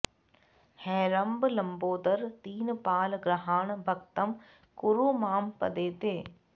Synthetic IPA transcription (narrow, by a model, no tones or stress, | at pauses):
hɛːɾɐmblɐmboːd̪əɾt̪iːnpaːlɡɾɐɦaːɳbʱɐkt̪ɐm | kʊɾuːmaːmpɐ̰d̪eːt̪eː